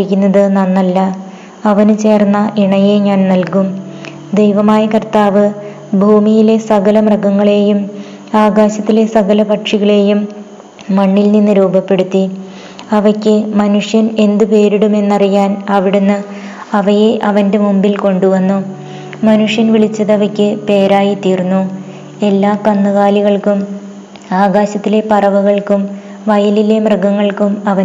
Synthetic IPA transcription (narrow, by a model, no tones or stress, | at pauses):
ikʲːunːɐðɨnɐnːɐlːɐ | ɐʋɐnut͡ɕe̞ːrnːɐʔiɳɐjeɲaːnnɐlkum | d̪ejʋɐmaːjɐkɐrt̪aːʋɨ | bʱuːmijile̞sɐɣɐlɐmrɐɡɐŋːɐɭe̞ːjum | aːɡaːɕɐt̪ːile̞sɐɣɐlɐpɐʈʂiɣɐɭe̞ːjumː | ɐɳːilninːɨɾuːbɐpːe̞ɽut̪ːi | ɐʋɐkʲːɨmɐnuʂjɐne̞nd̪upe̞ːɾiɽume̞nːɐrijaːnɐʋiɽunːɨ | ɐʋɐje̞ʔɐʋɐnde̞mombilko̞ɳɖuʋɐnːu | mɐnuʂjɐnʋiɭit͡ɕːɐðɐʋɐkʲːɨpe̞ːɾaːjit̪iːrunːu | e̞lːaːkɐnːɐɣaːliɣɐɭkum | aːɣaːɕɐt̪ːilepɐrɐʋɐɣɐɭkum | ʋɐjɐlile̞mrɐɡɐŋːɐɭkumɐʋɐ